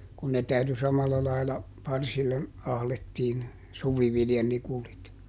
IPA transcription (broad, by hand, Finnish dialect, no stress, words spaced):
kun ne tæyty sɑmɑlːɑ lɑilɑ pɑrsilːe ɑhletːiːn suʋiʋiljɑnikulit